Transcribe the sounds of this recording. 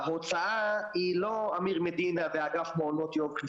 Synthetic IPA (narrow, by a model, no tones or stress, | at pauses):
ɦot͡saailoamiʁmed̪inaveaɡafmoːnot̪jok